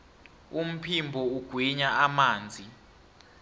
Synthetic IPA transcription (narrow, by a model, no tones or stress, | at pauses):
um̩pʰimbʱɔuɡ̥ʱwiɲaʔamaːnd͡zʱi